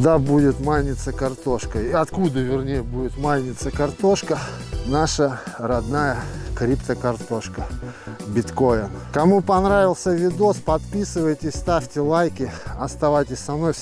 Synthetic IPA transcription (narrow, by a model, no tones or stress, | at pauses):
d̪abudʲɪt̪malʲnʲɪt̪səkɐrt̪o̞ʂkəiɐt̪kud̪əvʲɪrnʲejəbudʲɪt̪malʲnʲɪt̪səkɐrt̪o̞ʂkə | naʂərɐd̪najəkɾʲipt̪əkɐrt̪o̞ʂkə | bʲɪt̪ko̞jɪnkɐmupɐnɾavʲɪlˠsʲəvʲɪd̪o̞spɐt̪pʲisɨvəjtʲɪsʲst̪afʲtʲɪlˠajkʲɪɐst̪ɐvajtʲɪsʲsɐmno̞j